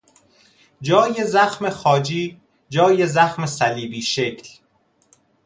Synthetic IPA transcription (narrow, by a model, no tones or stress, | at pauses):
d͡ʒɒːjezæxmexɒːd͡ʒiː | d͡ʒɒːjezæxmesæliːbiːʃe̞cʰl